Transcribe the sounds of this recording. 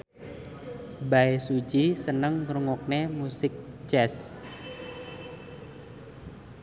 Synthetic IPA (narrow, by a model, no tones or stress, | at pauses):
baesu̥d͡ʒisənəŋɾuŋɔk̚nemusɪk̚d͡ʒɛs